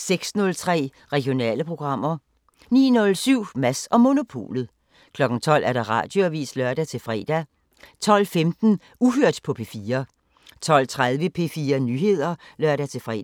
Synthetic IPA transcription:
seɡ̥snɔ̽lt͡sʰʁɛ̰ː | ʁɛɡ̥ijo̝nɛ̰ːləpʰʁo̝ɡ̥ʁɑ̈m̰ɐ | nḭːnɔ̽lsyʊ̰mæsɒ̽mo̝no̝pʰo̝̰ːlð̩ˠ | kʰlɒ̽ɡ̥ŋ̩t͡sʰɒ̽l̰æɐd̥ɑ̈ʁɑ̰̈ːd̥jo̝æʋḭːslɶɐ̰d̥æt͡sʰe̝lfʁɛ̰ːd̥æ | t͡sʰɒ̽l̰femd̥n̩ | uɦøɐ̰d̥pʰɒ̽pʰe̝fiːɐ | t͡sʰɒ̽l̰t͡sʰʁað̞ˠʋəpʰe̝fiːɐnyːhe̝ð̞̰ˠɐlɶɐ̰ɾ̥æt͡sʰe̝fʁɛ̰

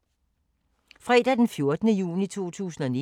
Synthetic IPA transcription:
fʁɛ̰ːd̥æd̥enfjo̝ɐd̥ənəjṵːnit͡sʰo̝̰ːt͡sʰṵːsn̩ɒ̽ni

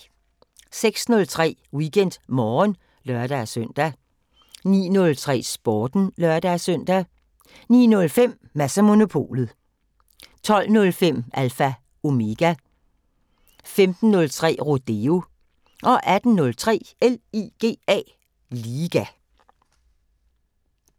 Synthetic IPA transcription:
seɡ̥snɔ̽lt͡sʰʁɛ̰ːwiɡʰen̰d̥mɒːn | lɶɐd̥æsøn̰d̥æ | nḭːnɔ̽lt͡sʰʁɛ̰ːsb̥ɒːd̥n̩lɶɐd̥æsœn̰d̥æ | nḭːnɔ̽lfem̰ːæsæmo̝no̝pʰo̝̰ːlð̩ˠ | t͡sʰɒ̽l̰nɔ̽lfem̰ʔælfæ | o̝me̝ɡ̥æ | femd̥n̩ːɔ̽lt͡sʰʁɛ̰ːʁo̝d̥e̝o̝ | ʔɒ̽ʔæd̥n̩ːɔ̽lt͡sʰʁɛ̰ːeliɡ̥e̝̰ːɛ̰ː | liːɡ̥æ

